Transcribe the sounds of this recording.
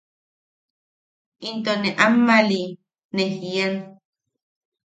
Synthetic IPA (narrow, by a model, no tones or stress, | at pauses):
int̪oneʔamːali | nehjian